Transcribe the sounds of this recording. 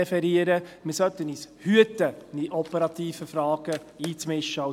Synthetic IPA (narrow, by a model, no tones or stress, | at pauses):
ɛfɛɾiəɾəmɪsœt̪ːəniːshyətəniʔɔpɛɾɑt̪iːfəfɾɑːɡ̥ə | iːt͡smɪʃːəɑ